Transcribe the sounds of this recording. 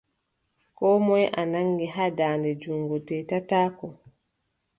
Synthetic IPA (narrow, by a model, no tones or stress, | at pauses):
kɔːmɔjʔanaŋɡiɦadaːndɛd͡ʒuŋɡɔtɛtataːkɔ